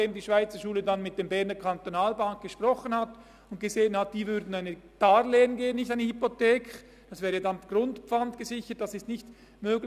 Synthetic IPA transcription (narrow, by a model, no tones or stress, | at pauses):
deːmdiːʃv̥aɪt͡səʃuːlədanmɪt̚d̥eːmbɛʁnəkʰantonaːlbaŋk̚ɡ̥əʃpʁ̥ɔχənhat | ʊnt̚ɡ̥əzeːənhat̚d̥iːvʏɾdn̩aɪnəd̥aːɾleːənɡeːənːɪçtaɪnəhypotɛːkʰ | d̥ɑsv̥ɛːɾədanɡ̥rʊntpp͡fantɡ̥əzɪçət̚d̥ɑsɪstnɪçt | møːɡl